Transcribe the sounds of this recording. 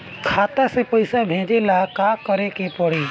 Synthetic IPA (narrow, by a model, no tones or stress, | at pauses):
kʰaːt̪asepəɪsabʱẽːd͡ʒelakakəɾekepəɽiː